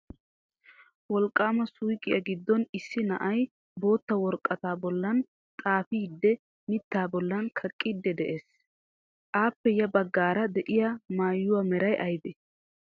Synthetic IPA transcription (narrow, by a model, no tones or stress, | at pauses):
wɔlkʼːaːmɐsʊjkʼːɪjɐɡɪd̪ːɔnɪsːɪnɐ̰ʔɐj | bo̞ːt̪ːɐwɔɾkʼːɐt̪aːbɔlːɐn | t̪ʼaːfiːd̪ːɛ | mɪt̪ːaːbɔlːɐnkʰɐkʼːɪd̪ːɛd̪ɛʔe̞ːs | ʔaːpːɛjɐbɐɡːaːɾɐd̪ɛʔɪjɐmaːjːʊwamɛɾɐjʔɐjb̪ɛ